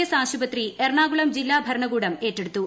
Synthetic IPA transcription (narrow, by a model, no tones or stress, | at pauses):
jɐsaːɕubɐt̪rierɳaːɣuɭɐmd͡ʑilːaːbʱɐɾɐɳɐɡuːɽɐme̞ːtːeɽut̪ːu